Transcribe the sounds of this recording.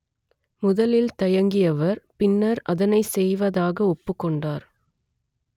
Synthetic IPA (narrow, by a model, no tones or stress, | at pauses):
mʊðɐlɪlt̪ɐjɐŋɡɪjɐʋɐɾpɪnːɐɾɐðɐnɐɪsɛjʋɐðaːɣɐɔpːɯkːɔɳɖaːɾ